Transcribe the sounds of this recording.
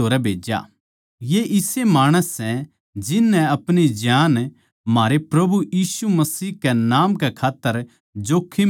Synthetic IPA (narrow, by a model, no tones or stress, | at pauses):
oːɾɛbʱeːd͡ʒa̰ | jeʔɪsemaːɽ̃əsːɛ̃ | d͡ʒɪnːɛ̃ɐpɽ̃id͡ʒjaːn | maːɾepɾɐbujiːsumɐsiːɦkɛnaːmkɛkʰaːt̪ːəɾ | d͡ʒoːkʰːi